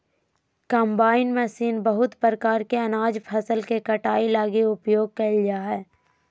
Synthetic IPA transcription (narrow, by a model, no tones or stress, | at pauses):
kə̃ːmbaːɪnmɛsiːnbəɦʊt̪pəɾəkaːɾkeɐnaːd͡ʒpʰɐsəlkekɐʈaːilaːɡiʊpjoːɡ̚kɐd͡ʒaɦɛː